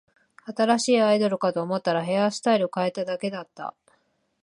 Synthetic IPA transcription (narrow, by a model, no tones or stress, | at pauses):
at̪aɾaɕiːaid̪o̞ɾɯ̟kat̪o̞ːmo̞t̪ːaɾaɦe̞asɨ̥t̪aiɾɯokae̞t̪ad̪ake̞d̪at̪ːa̰